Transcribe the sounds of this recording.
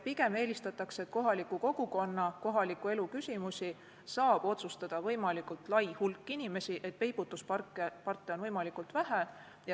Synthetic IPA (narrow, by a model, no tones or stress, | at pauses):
piɡe̞me̞ːlist̪ɑt̪ːˑɑksee̞t̪̚ko̞ɦɑlikːˑuko̞ɡ̥uko̞nːɑko̞ɦɑlikːˑue̞lukysʲimusʲi | sɑːb̥o̞t̪sust̪ɑd̪̥ɑvɤ̞jmɑlikult̪lɑjhulkːˑinime̞siʔe̞t̪pe̞jb̥ut̪ːˑuspɑrkːepɑrt̪ːˑeonvɤjmɑlikult̪væɦæ | jɑ